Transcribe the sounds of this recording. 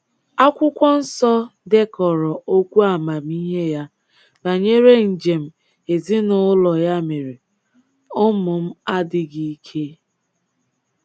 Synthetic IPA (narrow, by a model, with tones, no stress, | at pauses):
a˦kʷʊ˦kʷɔ˦n̩˦sɔ˦de˦kɔ˨ɾɔ˨ʔo˦kʷu˦a˨ma˨m̩˦i˦ɦe˦ja˦ | na˨ɲe˦ɾe˦n̩˨d͡ʒe˨m̩˦ | e˨zi˦nʊ˦lɔ˨ja˦me˨ɾe˨ | ʊ˦mʊ˨m̩˦a˦dɪ˨ɡi˦kʰe˦